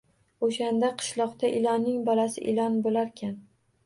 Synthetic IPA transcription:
oʃand̪aqʰɨ̥ʃlˠɒqt̪aʔɪlɒnːɪŋbɒlasɪ̰ʔɪlɒnbolaɾkʲʰan

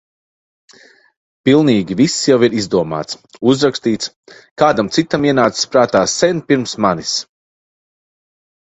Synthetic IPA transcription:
pilˠniːɡʲivisːjawiɾizd̪uɔma̰ːt̪suzɾakst̪iːt̪s | kaːd̪amt̪sit̪amiɛnaːt̪sspɾaːt̪aːsːɛnpiɾmsmanis

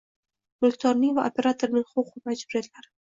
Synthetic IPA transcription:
mʊlˠkʲt̪ʰɒɾnivaʔopʰʲe̞ɾat̪ʰoɾnɪŋχʊqʊbmad͡ʒbʊɾed̪ɪlaɾ

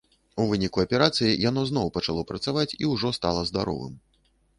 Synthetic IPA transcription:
uvɨnʲikuɐpʲɛɾat̪sɨjijanɔznɔwpɐt͡ʂalˠɔpɾɐt̪savat͡sʲiwʐɔst̪alˠɐzd̪aɾɔ̰vɨ̰m

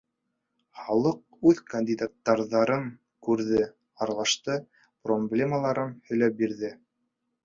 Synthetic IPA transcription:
χɑlˠɤq̚ʉðkɐnʲd̪ʲid̪at̪ːɑɾðɑɾɤŋ | kʉɾðɘ | ɑɾɑlˠɑʃt̪ɤ | problʲe̞məlˠɑɾɤnhɵ̆jlæp̚biɾðɘ

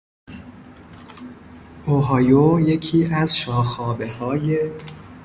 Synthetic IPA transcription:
ʔoɦɒːjojecʰiːæzʃɒːxɒːbe̞hɒːje

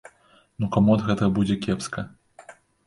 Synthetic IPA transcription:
nukamuɐd̪ɣɛt̪ɐbud͡zʲɛkʲɛpskɐ

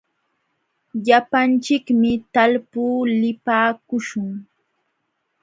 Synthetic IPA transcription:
ʎapant͡ʃɪkmɪt̪alpuːlɪpaːkʊʃʊŋ

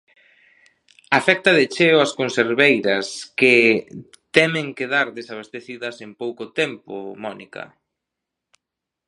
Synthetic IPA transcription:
afɛk̚t̪ɐðet͡ʃeoɐskonseɾβejɾɐskɪ | t̪ɛmeŋkeðaɾðesaβ̞est̪eθiðɐsempowkʊt̪ɛmpʊ̰mɔnḭkɐ̰

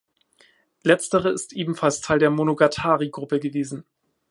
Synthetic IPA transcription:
lɛt͡stəʁəɪstʔeːbm̩falstʰaɪldeːɐmonoɡatʰaːʁiɡʁʊpəɡəveːzn̩

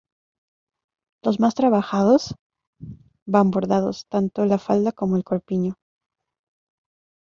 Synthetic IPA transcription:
lo̞zmast̪ɾaβaxaðo̞s | bambo̞ɾðaðo̞̰st̪ant̪o̞lafald̪ako̞mo̞elkoɾpiɲo

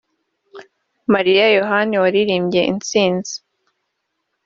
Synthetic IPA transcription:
maɾijajoɦaniwaɾiɾiːmɟe̞ʔḭnt͡siːnzi

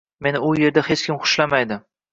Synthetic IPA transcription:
me̞nɪʊje̞ɾd̪ahet͡ʃkʲʰɪmχʊ̥ʃlamajd̪ɪ

